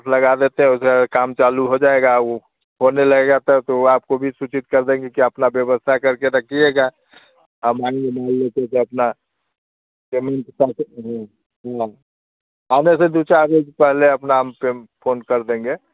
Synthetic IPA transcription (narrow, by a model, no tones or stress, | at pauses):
pʰləɡad̪et̪eɦɛ̃ʊsekaːmt͡ʃaluɦod͡ʒaeɡa | ɦoneləɡeɡat̪ɔt̪oaːp̚kobʱisut͡ʃit̪̚kəɾd̪ẽːŋɡekiəpnabjəbəst̪ʰakəɾkeɾəkʰieɡa | əmaɪ̃ŋemaɦəlːet̪eseəpna | pemeɳʈsat̪ɦ | ã | anesed̪ut͡ʃaɾed͡ʒpɛɦleəpnaɦəmpepʰonkəɾd̪ẽŋɡe